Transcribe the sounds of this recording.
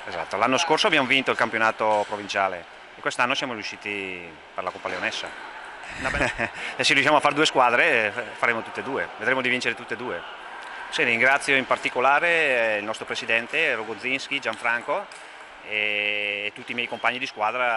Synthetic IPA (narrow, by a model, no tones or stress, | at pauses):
eza̰t̪ːolanːoskorsoabjamovint̪oilkampjonaːt̪opɾovint͡ʃaːlḛː | kwest̪anːosjaːmoɾjuʃːiːt̪i | peɾlakompaleonɛsːa̰n | ɛserijuʃjaːmoafːaɾd̪uːeskwaːd̪ɾefaɾeːmot̪u̥t̪ːed̪uːeved̪ɾeːmod̪ivint͡ʃeɾet̪ut̪ːed̪uːe | seiŋɡɾat̪sːjoimpart̪ikolaːɾeilnɔst̪ɾopɾesid̪ɛnt̪eɾuɡod̪zːinskid͡ʒaɱfɾaŋko | eːt̪ːut̪ːiːmjɛjkompaɲːid̪iskwaːd̪ɾa